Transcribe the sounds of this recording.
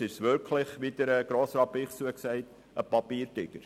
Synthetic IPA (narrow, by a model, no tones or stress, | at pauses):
ɪʃʋʏɾkʰlɪχʋid̥əɾəɡ̥ɾoːsɾɑpiχt͡suəksɛɪt | əpɑpiːɾtɪɡ̥əɾ